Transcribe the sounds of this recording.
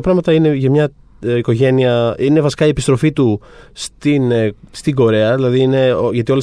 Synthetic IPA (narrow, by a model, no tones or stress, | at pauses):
ɐpɾɐɣmɐt̪ɐineʝɐmɲɐ | iko̞ʝe̞niɐine̞vɐsi̥kɐiepist̪ɾo̞fit̪u | st̪inst̪iɡo̞ɾe̞ɐðilɐðiine̞ʝɐt̪io̞le